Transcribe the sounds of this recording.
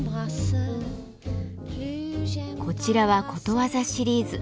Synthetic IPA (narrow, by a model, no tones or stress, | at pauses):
kʰo̞t͡ɕiɾaβako̞t̪o̞βazaɕiɾʲiːzɨ